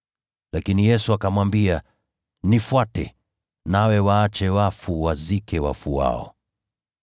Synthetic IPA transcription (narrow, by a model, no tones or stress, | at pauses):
lakinijɛsuakamwambia | nifwatɛ̰ | nawɛwaːt͡ʃɛwafuwazikɛwa̰fuwa̰ɔ̰